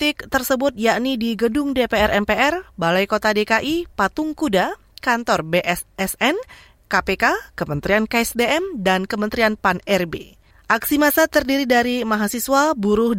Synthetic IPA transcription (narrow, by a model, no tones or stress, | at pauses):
t̪ɪk̚t̪ərsəbʊt̪̚jaʔnidiɡədʊŋdepeɛrʔɛmpeʔɛrbalajkot̪adekaʔipat̪ʊŋkuda | kant̪ɔrbeʔɛsɛsɛn | kapekakəmənt̪ɾiankaɛsdeɛmdankəmənt̪ɾianpanɛrbḛ | ʔaksimasat̪ərdiɾidaɾimaɦasiswabuɾʊh